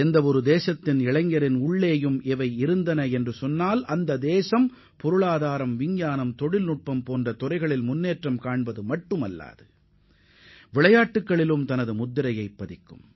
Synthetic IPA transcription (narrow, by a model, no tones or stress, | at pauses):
ɛnd̪ɐɔɾɯd̪eːsɐt̪ːɪnɪɭɐŋɡɐɾɪnʊɭːeːjɯmɛʋɐɪɪɾɯnd̪ɐnɐɛndrɯsɔnːaːlɐnd̪ɐd̪eːsɐm | pɔɾɯɭaːðaːɾɐmʋɪɲjaːnɐmt̪ɔɽɪlnʊʈ̚pɐmpoːndrɐt̪ɔrɐɪɣɐɭɪlmʊnːeːʈrɐmkaːɳbɐðɯmɐʈːɯmɐlːa̰ːðɯ | ʋɪɭɐjaːʈːɯkːɐɭɪlɯmt̪ɐnɐðɯmʊd̪ːɪɾɐjɐɪpːɐðɪkːɯm